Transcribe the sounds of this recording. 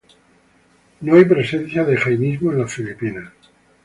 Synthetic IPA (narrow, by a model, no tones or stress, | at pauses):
noajpɾe̞se̞n̟θjaðexajnizmoenlafilipina